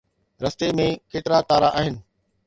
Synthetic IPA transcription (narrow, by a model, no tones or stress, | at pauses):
ɾɐst̪emẽkeːʈɾat̪aːɾaʔaːɦɪnɪ̆